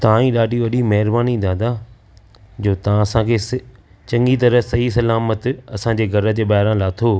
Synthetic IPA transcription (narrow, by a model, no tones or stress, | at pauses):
t̪ɐãĩːɗaːɖʱiʋɐɗimɐɦɪɾbaːnid̪aːd̪a | d͡ʑoːt̪ɐãɐsãkʰeːs | t͡ɕɐ̃ŋɡit̪ɐɾəsɐɦisɐlaːmət̪ɐsãd͡ʑeːɡʱɐɾə̆d͡ʑeːbaːɾãlaːt̪ʰoː